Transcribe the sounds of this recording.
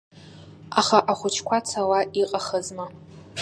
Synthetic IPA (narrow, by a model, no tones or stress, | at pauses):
aχaʔaχʷʊt͡ʃʰkʷat͡sʰawaiqʼaχazmɨ